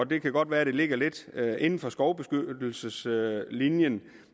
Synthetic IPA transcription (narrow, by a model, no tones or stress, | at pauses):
ɒd̥e̝kʰæɡ̥ɒ̽d̥ʋæːɐɾe̝le̝ɡ̥ɐle̝d̥ʔe̝nn̩fɒ̽sɡ̥ɒʊb̥e̝sɡ̥ød̥l̩səslinjən